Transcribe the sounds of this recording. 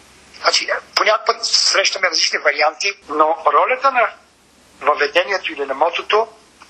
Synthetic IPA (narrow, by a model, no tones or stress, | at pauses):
nat͡ʃiponʲako̥pət̪sɾɛʃt̪ɐmɛɾɐzlit͡ʃnivɐɾiant̪inoɾɔlʲət̪ənɐ | vəvɛd̪ɛniɛt̪oilinɐmɔt̪ot̪o